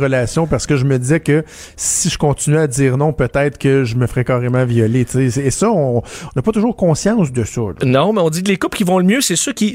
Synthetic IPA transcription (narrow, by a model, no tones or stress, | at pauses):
ʁəlasjɔ̃paʁsə̥kəʒəməd̪izɛkə | siʒəkɔ̃tt͡sinɥɛadd͡z̪iːʁnɔ̃pøt̪ɛɪt̪χkəʒəməfʁɛkɑːʁemɑ̃vjɔlet͡sesːsʌɔ̃ɔ̃ɔ̃nɐpɔt̪ʊʒuːʁkɔ̃sjɑ̃sd̪əsɔlnɔ̃mɛɔ̃dd͡zilekʊpkʲivɔ̃ləmjøsesøkʲi